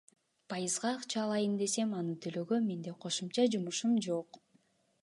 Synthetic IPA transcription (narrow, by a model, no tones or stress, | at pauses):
pʰɑjɯzʁɑːqt͡ʃɑːlˠɑjɯnd̪e̞se̞mɑnɯt̪ʰøløɡøme̞nd̪e̞qʰo̞ʃumt͡ʃɑd͡ʒumuʃumd͡ʒo̞q